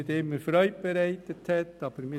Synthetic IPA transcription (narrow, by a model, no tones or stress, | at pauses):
ɪt̪ɪmːəɾfɾœʏt̚b̥eɾæɪtəthɛtɑːb̥əɾmɪ